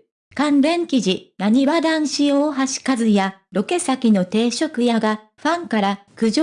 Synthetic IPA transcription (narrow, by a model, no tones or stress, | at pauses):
kãmbẽ̞ŋkʲiʑinaɲ̟iβad̪ãɰ̃ɕioːɦaɕi̥kazɨjaɾo̞ke̞sakʲino̞t̪e̞ːɕo̞kɯ̟jaɡa | ɸãŋkaɾa | kɯ̟ʑo